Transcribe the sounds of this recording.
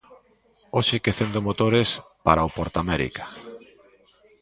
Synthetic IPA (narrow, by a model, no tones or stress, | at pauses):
oʃɪkeθend̪omot̪oɾespa̰ɾaopoɾt̪amɛɾḭkḁ